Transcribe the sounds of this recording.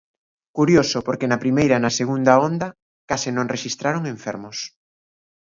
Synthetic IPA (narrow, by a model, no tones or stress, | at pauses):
kuɾjosʊpoɾkenɐpɾimejɾɐnɐseɣund̪ɐond̪ɐ | kasɪnõŋreʃist̪ɾaɾoŋẽɱfɛ̰ɾmʊs